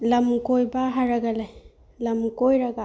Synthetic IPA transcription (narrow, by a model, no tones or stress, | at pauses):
lɐmkojbaɦaɾaɡalaj | lɐmkojɾaɡa